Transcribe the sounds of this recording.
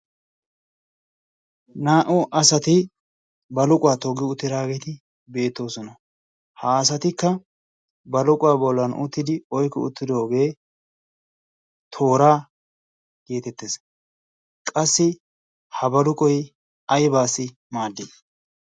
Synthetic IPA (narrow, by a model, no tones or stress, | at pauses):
naːʔʊʔɐsɐt̪ɪ | bɐlʊkʼwaːt̪ɔɡɪʊt̪ːɪd̪aːɡet̪ɪ | be̞ːt̪ːo̞ːsɔnɐ | haːɐsɐt̪ɪkːɐ | bɐlʊkʼʊwaːbɔlːɐnʔʊ̰t̪ːɪd̪ɪɔjkːɔʊ̰t̪ːɪd̪o̞ːɡe̞ː | t̪ʰo̞ːɾaː | ɡe̞ːt̪ɛt̪ːes | kʼɐsːɪ | hɐbɐlʊkʼɔj | ɐjbaːsːɪ | maːd̪ːɪ